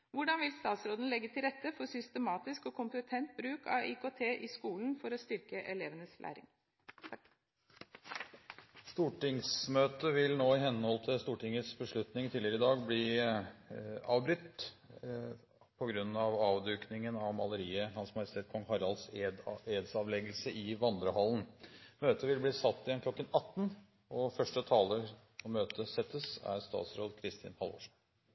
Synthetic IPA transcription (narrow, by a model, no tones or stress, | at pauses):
ʋʊɖɑnʋɪlst̪ɑːt̪sɾoːd̪n̩lɛɡːət̪ʰɪlɾɛt̪ːəfɔɾsʏst̪əmɑːt̪ɪskɔkʰʊmpət̪ʰɛnt̪̚bɾʉːkʰɑ̰ikoːt̪ʰeːʔɪskuːln̩fɔɾɔst̪ʏɾkəʔɛleːʋənəslʔæ̰ːɾɪ̰ŋ | st̪uːʈɪŋsmøːt̪əʋɪlnoːɪhɛnːəhɔlt̪ʰɪlst̪uːʈɪŋəsbəʂɭʉt̪nɪŋt̪ʰiːlɪəɾɪd̪ɑːɡbliː | ɑ̰ːʋbɾʏt̪ː | pʰɔɡɾʉnːɑʋɑːʋd̪ʉːknɪŋənɑʋmɑləɾiːəhɑnsmɑjɪst̪ʰeːt̪kʰɔŋhɑɾɑlseːd̪sɑʋlɛɡəlsəʔɪʋɑnd̪ɾəhɑlən̩møːt̪əʋɪlbliːsɑt̪ːɪjɛnkʰlɔkːənɑt̪ːn | ɔfœʂʈət̪ʰɑːlə | ɔmːøːt̪ʰəsɛt̪ːəsæ̰ɾst̪ɑ̰ːt̪sɾoːd̪kʰɾɪst̪ʰɪ̰ːnhɑlʋɔ̰ʂɑ